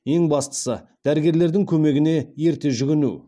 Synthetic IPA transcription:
je̞ŋbɑst̪ə̥sə̰d̪̥æɾɪɡʲe̞ɾle̞ɾd̪ɪŋkʲʰɵme̞ɡʲɪne̞je̞ɾt̪e̞ʒʏɡʲɪnṵ

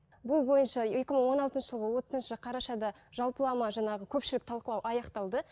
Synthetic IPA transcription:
bʊlˠbo̞jənʃɑe̞kʲɪməɴwo̞nɑlˠt̪ənʃəʒəlˠʁəwo̞t̪əzənʃəqʰɑɾɑʃɑd̪ɑ | ʒɑlˠpəlˠɑmɑʒɑɴɑʁəkʲʰɵpʃɪlɪk̚t̪ʰɑlˠqəlˠɑwʔɑjɑqt̪ɑlˠd̪ə

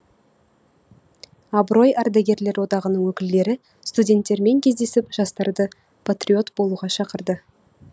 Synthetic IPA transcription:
ɑbɾo̞jɑɾd̪aɡʲe̞ɾle̞ɾwo̞d̪ɑʁənəɴwɵkʲɪlːe̞ɾɪ | st̪udʲe̞nt̪ːe̞ɾme̞ŋkʲʰe̞zd̪e̞sɪpʒ̥ɑst̪ɑɾd̪ə | pʰat̪rʲio̞t̪bo̞lˠuʁɑʃɑqəɾd̪ə

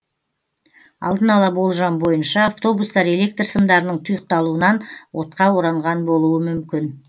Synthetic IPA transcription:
ɑ̰lˠd̪ənɑlˠɑbo̞lˠʒɑmbo̞jənʃɑːft̪o̞bust̪ɑɾe̞le̞k̚t̪rsəmd̪ɑɾənəɴt̪ʰʊjəq̚t̪ɑlˠuənɑnwo̞t̪̚qɑwo̞ɾɑɴʁɑnbo̞lˠuəmʏmkʲɪn

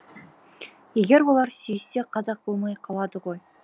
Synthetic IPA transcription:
je̞ɡʲe̞ɾwo̞lˠɑɾsʏjɪse̞qʰɑzɑq̚b̥o̞lˠmɑjqʰɑlˠɑd̪əʁo̞j

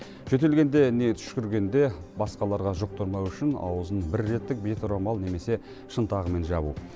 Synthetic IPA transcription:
ʒɵt̪̬e̞lɡʲe̞nd̪e̞ne̞t̪ʰʏ̥ʃkʲʏɾɡʲe̞nd̪e̞bɑsqɑlˠɑɾʁɑʒʊq̚t̪ʊɾmɑwʏʃɪnɑ̰wəzənbɪɾːe̞t̪ːɪk̚bet̪ɾombɑlˠne̞me̞se̞ | ʃənt̪ɑʁəme̞nʒɑbṵ

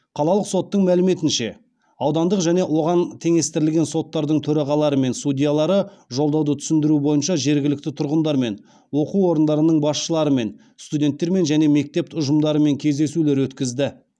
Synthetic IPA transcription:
qʰɑlˠɑlˠəqso̞t̪ːəɴmælɪme̞t̪ɪnʃe̞ | ɑwd̪ɑnd̪əqʒæne̞wo̞ʁɑnt̪ʰe̞ŋe̞st̪ɪɾɪlɡʲe̞nso̞t̪ːɑɾd̪əɴt̪ʰɵɾɑʁɑlˠɑɾəme̞nsudʲijalˠɑɾəʒo̞lˠd̪ɑwd̪ət̪ʰʏ̥sɪnd̪ɪɾubo̞jənʃɑʒe̞ɾɡʲɪlɪk̚t̪ɪt̪ʰʊɾʁənd̪ɑɾme̞n | wo̞quwwo̞ɾənd̪ɑɾənəɴbɑsʃəlˠɑɾəme̞n | st̪udʲe̞nt̪ːe̞ɾme̞nʒæne̞me̞k̚t̪e̞p̪ʊʒəmd̪ɑɾəme̞ŋkʲʰe̞zd̪e̞sule̞ɾwɵt̪kʲɪzd̪ɪ

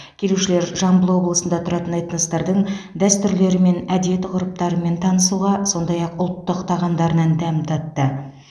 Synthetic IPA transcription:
kʲʰe̞luʃɪle̞ɾʒɑmbəlˠwo̞blˠəsənd̪ɑt̪ʰʊɾɑt̪ənɑjt̪ənəst̪ɑɾd̪əɴd̪æst̪ʏɾle̞ɾɪme̞næd̪et̪ɪqʰʊɾəp̚t̪ɑɾəme̞nt̪ʰɑnəsuʁɑso̞nd̪ɑjɑqʊlˠt̪ːəqt̪ʰɑʁɑmd̪ɑɾənɑnd̪æmt̪ʰɑt̪ːə

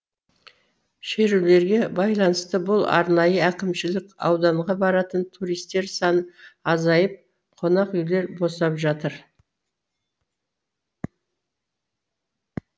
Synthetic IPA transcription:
ʃeɾule̞ɾɡʲe̞bɑjlˠɑnəst̪əbʊlˠɑ̰ɾnɑjəækʲɪmʃɪlɪkɑ̰wd̪ɑɴʁɑbɑɾɑt̪ənt̪ʰuɾijst̪e̞ɾsɑnɑzɑjəp̚ | qʰo̞nɑqʏjle̞ɾbo̞sɑpʒɑt̪əɾ

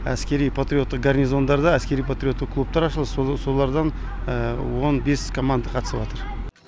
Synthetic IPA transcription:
æ̰skʲe̞ɾijpʰat̪ɾʲijo̞t̪ːəq̚ɡarnʲizo̞nd̪ɑɾd̪ɑæskʲe̞ɾijpʰat̪ɾʲijo̞t̪ːəqkʰlˠup̚t̪ɑɾɑʃəlˠəsso̞lˠɑɾd̪ɑn | əwo̞nbe̞skʰo̞mand̪əqʰɑt̪ə̥səpwɑt̪əɾ

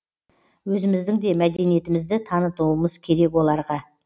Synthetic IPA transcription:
wɵzɪmɪzd̪ɪŋd̪e̞mæd̪e̞nije̞t̪ɪmɪzd̪ɪt̪ʰɑnət̪uəməzkʲʰe̞ɾe̞kwo̞lˠɑɾʁɑ

